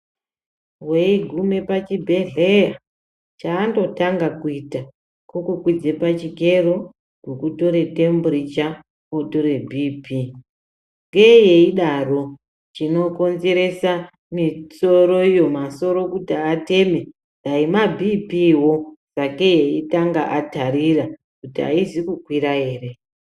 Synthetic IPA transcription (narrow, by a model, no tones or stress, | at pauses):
weiɡʱume̞pat͡ʃibʱe̞ɮe̞ja | t͡ʃaːndo̞taŋɡakuita | kokukwid͡zepat͡ʃike̞ro | ɡukuto̞ɾe̞te̞mburit͡ʃa | otoɾe̞bʱipi | ŋɡejeiɗaro̞ | t͡ʃino̞ko̞nze̞ɾe̞sa | miso̞ɾo̞ijo̞maso̞ɾo̞kutiate̞me̞ | zaimabʱipiwo̞z̥ake̞jeitaŋɡaʔatarira | kutia̰izikukwiɾae̞ːre̞